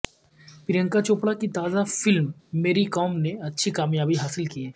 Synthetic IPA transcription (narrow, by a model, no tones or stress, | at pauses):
pɪɾjə̃ŋkat͡ʃoːpɽakit̪aːzafɪlmːeːɾikɔːmneɐtːʃʰikaːmjaːbiɦaːsɪlkiɛː